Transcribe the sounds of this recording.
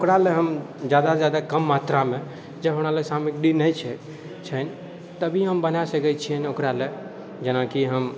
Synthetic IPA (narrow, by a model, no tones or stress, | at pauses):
okɾaleɦəmd͡ʒjad̪ad͡ʒjad̪akəmːat̪ɾame | d͡ʒəbɦəɽ̃alesamikɖinəjt͡ʃʰɛ | t͡ʃʰəni | t̪əbʱiɦəmbənasəkɛt͡ʃʰijənokɾale | d͡ʒenakiɦəm